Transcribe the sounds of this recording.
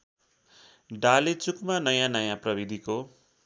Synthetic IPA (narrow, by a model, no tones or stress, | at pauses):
ɖalet͡sukmanʌjãnʌjãprʌbid̪ʱiko